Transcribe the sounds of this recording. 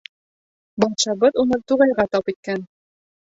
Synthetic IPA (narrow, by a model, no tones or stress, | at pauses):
bɒɑt̪ʃɑbɤðunɤt̪uʁɑjʁɑt̪ɑpit̪̚kæn